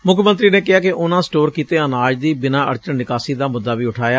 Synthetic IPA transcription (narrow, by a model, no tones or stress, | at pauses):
mʊkʰmə̃nt̪ɾiːneːkɪɦaːkɪʔʊnãːsʈoːɾkiːt̪eːənaːd͡ʒd̪iːbɪnãːə̰ɾt͡ʃənːɪkaːsiːd̪aːmʊd̪ːaːʋiːʊʈʰaːjaː